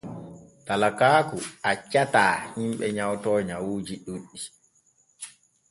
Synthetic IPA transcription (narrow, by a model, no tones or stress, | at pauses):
talakaːkuat͡ʃataːhimɓɛɲawtɔɲawuːd͡ʒiɗuɗːi